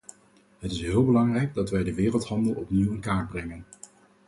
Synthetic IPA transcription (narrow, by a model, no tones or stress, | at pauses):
ɦətɪsɦɪːlˠbəlɑŋrɛjɡ̚dɑtʋɛjdəʋɪːrəlˠtɦɑndəlˠɔpniwənkaːɹ̚brɛŋən